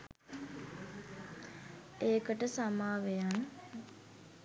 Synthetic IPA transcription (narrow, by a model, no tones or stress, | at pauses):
eːkəʈəsamaːʋejan